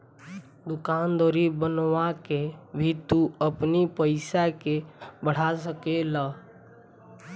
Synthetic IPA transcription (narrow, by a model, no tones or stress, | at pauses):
d̪ʊkaːnd̪ɔːɾibənwakebʱit̪uəpnipəɪsakebəɽ̤asəkela